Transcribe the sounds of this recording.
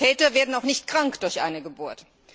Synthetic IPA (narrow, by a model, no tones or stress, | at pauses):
ɛːtɐveːɐdn̩aʊxnɪçt̚kʁ̥aŋkd̥ʊɐçʔa̰ɪnəɡəbʊɐt